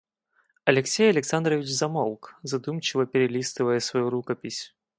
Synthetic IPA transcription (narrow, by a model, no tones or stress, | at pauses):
ɐlʲɛksʲejɐlʲɛksand̪ɾɐvʲit͡ʃzamɔlˠkzad̪umt͡ʃɨvɐpʲɛɾɛlʲist̪ɨvɐjɛsvajuɾukɐpʲisʲ